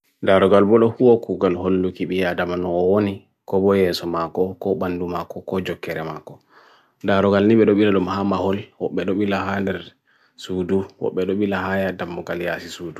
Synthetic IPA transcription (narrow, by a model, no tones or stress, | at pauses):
daɾɔɡalbɔɗɔhuwɔkuɡalholːukiɓiadamanɔːwoni | kɔbɔjɛsɔmakɔkɔɓandumakɔkɔd͡ʒɔkːɛɾɛmakːɔ | daɾɔɡalniɓɛɗɔɓilaɗɔmhamahɔlwɔɓːɛɗɔɓilaɦandɛɾ | suduwɔ̰ɓːɛɗɔɓilaɦajadamːɔɡaljasisuːdu